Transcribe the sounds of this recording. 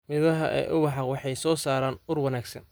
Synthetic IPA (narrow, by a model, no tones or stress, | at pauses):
mɪðɐɦɐʔɛ̰ːʔʊwɑħɑwɑħɑjsɔːsaːɾaːnʊrwɐnaːɡsɐ̰n